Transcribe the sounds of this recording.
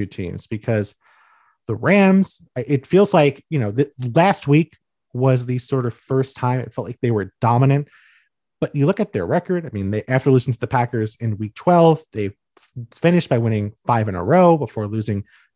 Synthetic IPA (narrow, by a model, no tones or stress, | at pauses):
ʉtʰḭ̃nz̥b̥ɨkʰʌz | ðəɹæ̃mz̥ | aɪʔɪtfilˠzlaɪkjɨñoʊðɨlæst̚wik | wʌzðɨsɔɹɾʌv̥fɜ˞stʰãɪ̃mɨ̰tfɛlˠt̚ˡlaɪk̚ðeɪwə˞d̥ɑmənɨ̃nt | b̥ʌt͡ʃɨlʊkɨt̪̚ðə̰˞ɹɛkə˞daɪmĩnðeɪʔæftə˞lʉsɪ̃ŋtʰɨðɨpʰækə˞zɨ̃nwik̚tʰw̥ɛlˠvðeɪ | fɪ̃ñɨʃ̚b̥aɪwɪ̃ñɪ̃ŋfaɪvɨ̃nə̰˞oʊbəfɔɹlʉzɪ̃ŋ